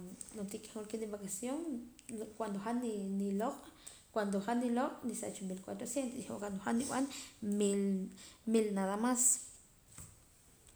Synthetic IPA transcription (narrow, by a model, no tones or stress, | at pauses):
not̪ikʼe̥holkeniβakasjoŋ | kwand̪oχaniniloqʼ | kwand̪oχanːiloqʼnisa̰t͡ʃumilkwat̪ɾosjent̪osiokand̪oxaniw̰anmilmilnaðamas